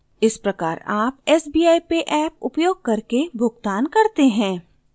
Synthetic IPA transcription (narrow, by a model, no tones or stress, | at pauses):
ɪspɾɐkaːɾaːpɛːsbiːaːipeʔɛːp̚ʊpjoːɡ̚kɐɾkebʱʊɡt̪aːnkɐɾt̪eɦɛ̃ː